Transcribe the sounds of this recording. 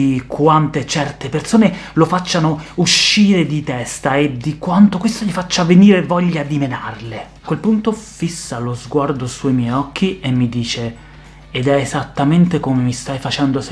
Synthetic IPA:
ikwant̪et͡ʃɛrt̪epersoːnelofat͡ʃːanouʃːiːɾed̪it̪ɛst̪aed̪ikwant̪okwest̪oʎifat͡ʃːaveniːɾevɔʎːad̪imenarle | kwelpunt̪ofisːalozɡward̪osuimjɛjɔk̟ːiemːid̪iːt͡ʃeː | d̪ɛezat̪ːament̪ekomemist̪ajfat͡ʃɛnd̪os

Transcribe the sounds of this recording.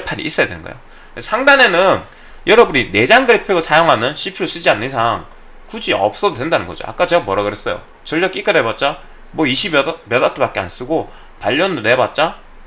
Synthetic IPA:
pʰaɲḭʔis͈ʌjadwenɯnŋɡʌ̰jo̰ | sʰaŋdane̞nɯn | jʌɾʌbunine̞d͡ʑaŋɡɯɾepʰjoɡosʰajoŋɦanɯnɕʰipʰiɾos͈id͡ʑianːɯnisʰaŋ | kud͡ʑiʌ̰p̚s͈ʌdodwe̞ndanɯnɡʌd͡ʑo̰ʔa̰k͈at͡ɕe̞ɡamʌɾaɡɯɾe̞s͈ʌjo̰ | t͡ɕʌʎːʌk͈ik͈adebat̚t͡ɕ͈a | mwʌiɕʰibmjʌdatʰopak͈ea̰ns͈ɯɡo | paʎːʌndone̞bat̚t͡ɕ͈a

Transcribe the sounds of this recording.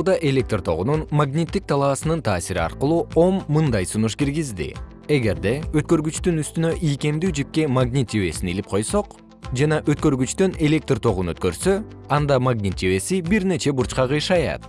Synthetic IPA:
d̪ɑʔe̞lʲe̞k̚t̪rt̪ʰo̞̰ʁununmaɡnʲit̪ːik̚t̪ʰɑlˠɑʋsɯnɯnt̪ʰaːsiɾiɑ̰ɾqɯlˠuːo̞mːɯnd̪ɑjsunuʃkiɾɡizd̪ḭ | e̞ɡe̞ɾd̪e̞øt̪̚kø̞ɾɡyt͡ʃt̪ynyst̪ynø̞ʔijke̞md̪yːd͡ʒip̚ke̞maɡnʲit̪ive̞̰sinilip̚qʰo̞jso̞q | d͡ʒɑnɑʔøt̪kø̞ɾɡyt͡ʃt̪øne̞lʲe̞k̚t̪rt̪ʰo̞ʁunøt̪̚kø̞ɾsø̞ | ɑnd̪ɑmaɡnʲit̪ive̞sibiɾne̞t͡ʃe̞buɾt͡ʃqɑʁɯjʃɑjɑ̰t̪

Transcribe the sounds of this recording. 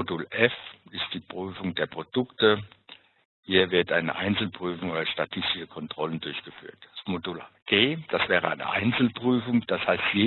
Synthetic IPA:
odulʔɛfɪst̚d̥iːpʁ̥yːfʊŋdeːɐpʁ̥od̥ʊktə | hiːɐvɪɐtʔaɪnə̰ʔa̰ɪnt͡sl̩pʁ̥yːfʊŋoːdɐʃtatʰɪstɪʃəkʰɔntʁ̥ɔləndʊɐçɡ̥əfy̰ːɐtd̥asmodulɡ̥eːd̥asv̥ɛːʁ̞əa̰ɪnə̰ʔa̰ɪnt͡sl̩pʁ̥yːfʊŋd̥ashaɪstjeː

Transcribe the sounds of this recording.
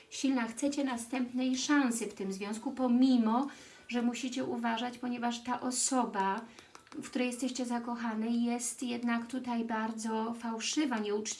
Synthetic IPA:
ɕilnaxt̪sɛt͡ɕɛnast̪ɛmpnɛjʂãñsɘft̪ɘmzvʲjɔ̃w̃skupɔmʲimɔ | ʐɛmuɕit͡ɕɛʔuvaʐat͡ɕpɔɲɛvaʂt̪aʔɔsɔba | fkt̪uɾɛjɛst̪ɛɕt͡ɕɛzakɔxanɘjɛst̪jɛd̪nakt̪ut̪ajbaɾd̪zɔfawʂɘvaɲɛut͡ʂ

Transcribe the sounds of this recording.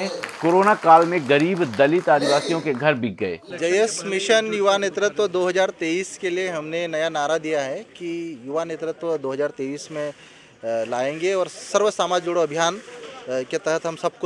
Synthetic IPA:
koːɾoːnakaːlmẽɡɐɾiːbd̪ɐlɪt̪aːd̪iʋaːsijõkeɡʱɐɾbʱɪɡ̚ɡɐḛːd͡ʒɐjəsmɪʃənjʊʋaneːt̪ɾət̪ʋd̪oːɦɐzaːɾt̪eːiːskelieɦɐmnenɐjanaːɾad̪ijaɦɛkijʊʋaneːt̪ɾət̪ʋd̪oːɦɐzaːɾt̪eːʋiːsmẽ | laːẽːŋɡeɔːɾsɐɾʋəsaːmaːd͡ʒd͡ʒʊɽoɐbʱjaːnket̪ɛɦət̪ɦɐmsɐb̚ko

